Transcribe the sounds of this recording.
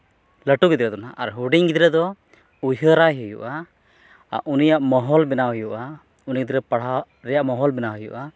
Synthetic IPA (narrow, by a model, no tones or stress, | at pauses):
ləʈuɡid̪ɾɛd̪ɔnaʔaɾɦuɖiŋɡid̪ɾɛd̪ɔ | ujɦəɾaɦujṵʔa̰ | ʔunijaʔmɔɦɔlbɛnaɦɔjuʔa | uniɡid̪ɾɛpaɽ̤a | ɾɛjaʔmɔɦɔlbɛnaɦujṵʔa